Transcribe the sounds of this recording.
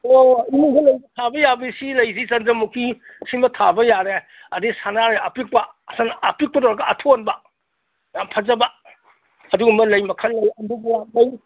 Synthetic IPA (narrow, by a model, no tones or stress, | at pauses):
oimiɡɐlɐjbɐtʰabɐjabisilɐjzisɐndɐmukʰi | simɐtʰabɐjaɾe | ɐdisanaɾeɐpik̚pɐ | sanɐpik̚pɐtowɾɐɡɐʔɐtʰonbɐ | jampʰɐzɐbɐ | ɐduɡumɐlɐjmɐkʰɐnlɐjɐduɡlɐj